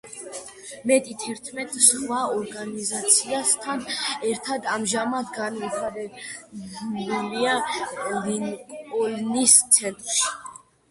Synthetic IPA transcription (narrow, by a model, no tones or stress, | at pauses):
mɛt̪ʼit̪ʰɛɾt̪ʰmɛt̪ʼsχwaɔɾɡanizat̪sʰiast̪ʰanɛɾt̪ʰad̪amʒamad̪ɡanmiχaɾɛ | buliaɔlinɔlnist̪sʰɛnt̪ʼɾʃi̥